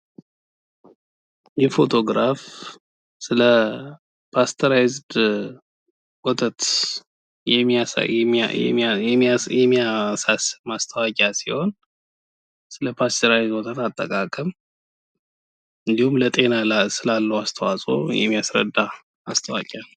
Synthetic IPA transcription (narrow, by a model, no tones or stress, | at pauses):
jɛfo̞t̪ʰo̞ɡɾaf | sɨlə | pʰast̪ʰəɾajzd̪ | wot̪ʰət̪ | jɛ̰ | ɛjɛmːijasasɨmast̪ʰəwakʼasiho̞n | sɨləpʰast̪ʰəɾajzd̪wot̪ʰət̪at̪ʼːəkʼakʼəm | ɨnd̪ihumlət̪ʼe̞nalasɨlalːəwast̪ʰəwasʼo̞̰jɛ̰mːijasɾə̰d̪ːa | ast̪ʰəwa̰kʼal